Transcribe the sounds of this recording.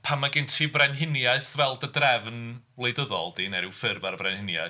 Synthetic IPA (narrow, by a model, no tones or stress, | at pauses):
pʰamːaɡɪntʰivrɛnɦɪnjaɨθvɛlˠdədrɛvnvlˠejdəðɔ̰lˠdinɛɾɪwfɪrvaɾvrɛnhɪnja̰ɨ